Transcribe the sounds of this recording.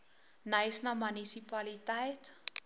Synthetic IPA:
nəjsnɐmanisipalitɛjt

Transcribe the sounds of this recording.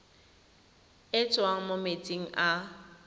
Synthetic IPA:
ɪt͡sʼwaŋ̩momet͡sʼiŋ̩ʔa

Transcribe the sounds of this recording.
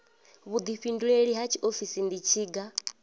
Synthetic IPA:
βud̪iɸinduɺeɺiɦat͡ʃʰiʔofisind̪it͡ʃʰiːɡa

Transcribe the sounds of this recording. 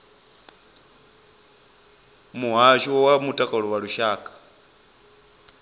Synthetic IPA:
muɦaʃɔwamutʼakʼaɺɔwaɺuʃaːkʼḁ

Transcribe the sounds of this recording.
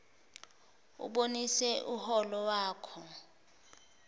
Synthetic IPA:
ṵɓonisɛʔuhɔlɔwaːkʰɔ

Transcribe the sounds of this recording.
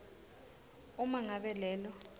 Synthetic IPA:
umaŋaɓɛlɛːlɔ

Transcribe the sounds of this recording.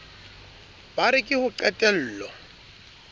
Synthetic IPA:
b̥aɾɪkʼɪhʊǃɛtʼɛl̩ːlɔ

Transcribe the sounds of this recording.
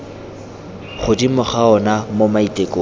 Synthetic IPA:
χʊdimʊχaɔnamomaitʼekʼo

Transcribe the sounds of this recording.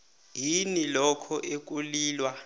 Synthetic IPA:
jinilɔkʰɔʔek̬ʼuliːlwa

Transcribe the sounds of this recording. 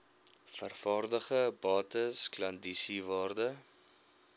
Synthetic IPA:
fərfɑːrdəχəbɑːtəsklɐndisivɑːrdə

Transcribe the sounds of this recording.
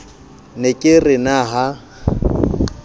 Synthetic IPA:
nekʼɪrɪnaɦa

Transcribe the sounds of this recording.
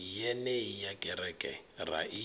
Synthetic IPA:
ijɛnɛijakʼɛɾɛkʼɛ̰ra̰ʔi

